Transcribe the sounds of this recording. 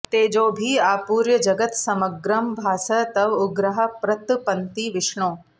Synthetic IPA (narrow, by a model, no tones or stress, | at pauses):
t̪eːd͡ʒoːbʱiːaːpuːɾjɐd͡ʒɐɡət̪sɐməɡɾɐmbʱaːsɐt̪ɐʋʊɡɾɐɦɐpɾɐt̪pɐnt̪iːʋɪʂɳõː